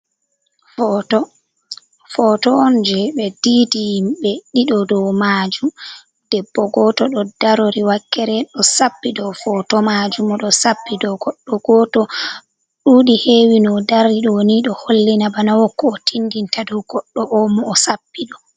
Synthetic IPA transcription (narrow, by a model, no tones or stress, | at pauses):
fɔtɔɔnd͡ʒɛɓɛdidijimɓɛɗiɗɔdɔwmad͡ʒum | d̥ɛbːɔɡɔtɔɗɔdaɾoɾiwakːɛɾɛɗɔsapːidɔfɔtɔmad͡ʒumɔɗɔsapːidɔɡɔɗːɔɡɔtɔ | ɗuɗiheːwinɔdaɾiɗɔwoniɗɔholːinabanawɔkːɔːtʰindintadɔɡ̥ɔɗːɔʔɔmɔːsapːiɗɔ